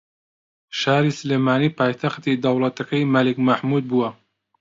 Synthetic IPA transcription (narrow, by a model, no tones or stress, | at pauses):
ʃaːɾiːsɨleːmaːniːpaːjt̪ʰɐxt̪id̪ɐwlˠɐt̪ɐkɐjmɐlikmɐħmuːd̪̚buːɐ